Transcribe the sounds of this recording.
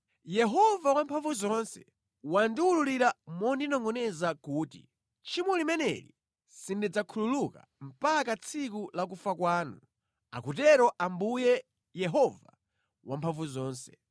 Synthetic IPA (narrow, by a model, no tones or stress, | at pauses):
jɛɦɔvawampʰaɱvuzɔnsɛ̰ | wandiwululiɾamɔndinɔŋɔnɛzakuːtḭ | t͡ʃʰimwɛlimɛnɛ̰ɾḭ | sindid͡zakʰululuka̰ | m̩pakat͡sʰikulak̬ufakwaːnu | a̰kutɛɾɔʔambujɛ | jɛɦɔva̰ | wampʰaɱvuzɔːnsɛ̥